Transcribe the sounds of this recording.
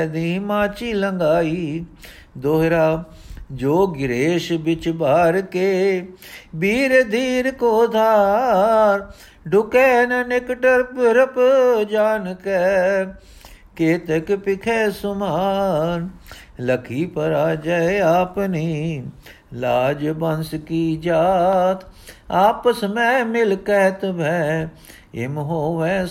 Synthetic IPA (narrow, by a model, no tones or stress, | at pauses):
d̪iːmaːt͡ʃiːləŋɡaːiː | d̪oːɦɾaː | d͡ʒoːɡɪɾeːʃbɪt͡ʃbaːɾkeː | biːɾd̪ʱiːɾkoːd̪aː | ɾ | ɖʊkɛːnnekʈəɾpɾəpd͡ʒaːnkɛː | keːt̪ekpɪkʰeːsʊmaːn | ləkʰiːpəɾaːd͡ʒaeaːpniː | laːd͡ʒbənskid͡ʒaːt̪ʰaːpəsmẽːmɪlkɛɦt̪bʱɛ̃ | ɪ̰mɦoːʋɛ̃